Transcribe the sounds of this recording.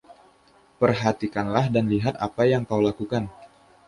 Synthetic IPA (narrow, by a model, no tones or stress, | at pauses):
pərɦat̪ikanlahdanliɦat̪apajaŋkawlakukan